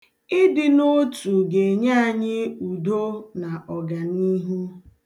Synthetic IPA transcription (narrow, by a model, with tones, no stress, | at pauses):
ɪ˦dɪ˨no˦tu˨ɡe˨ɲa˦a˨ɲɪ˦u˨do˦na˨ʔɔ˨ɡa˨ni˦ɦu˦